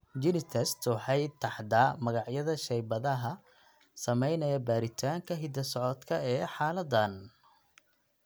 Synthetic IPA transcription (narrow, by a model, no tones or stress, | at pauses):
d͡ʒɪnɪt̪ʰɛst̪ʊħɛj̪t̪ʰːɑħd̪aːmɐɣɑʕjɐðɐʃɛjbɐðɐɦɐ | sɐmɛjnɐjɐbaːɾɪt̪ʰaːŋkʰɐɦɪd̪ɐsɔʕɔd̪kʰɐɛːħɑːlɐd̪ɐn